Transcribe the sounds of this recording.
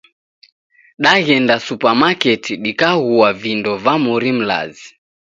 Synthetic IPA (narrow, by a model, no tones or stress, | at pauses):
ɗaɣɛndasupamakɛtʰiɗikaɣuavindɔvamuɾim̩la̰zi